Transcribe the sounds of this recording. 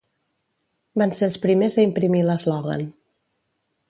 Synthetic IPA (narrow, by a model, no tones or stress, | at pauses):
banselˠspɾimezðəimpɾimiləzlɔɣa̰n